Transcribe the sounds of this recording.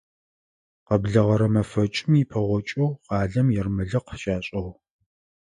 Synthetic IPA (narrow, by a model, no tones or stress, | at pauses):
qɐbɮɐʁɐɾɐmɐfɐt͡ʃʼɪmipʰɐʁʷɔt͡ʃʼowqɑːɮɐmjɛrmɨɮɨqʃaːɕʼɐw